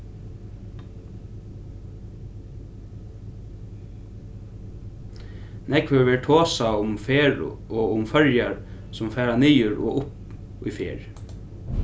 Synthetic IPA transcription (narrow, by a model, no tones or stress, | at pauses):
nɛkʋəɹʋeːʈʰoːsaʊmfeːɹɔːʊmfœɹjaɹsʊmfæːɹaniːʏɹɔ̰ːʔʊp | ʏ̰fḛːɹ